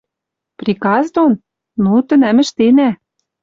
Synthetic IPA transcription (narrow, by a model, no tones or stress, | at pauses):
prʲikɑzd̪on | nut̪ɘ̆næmɘ̆ʃt̪enæ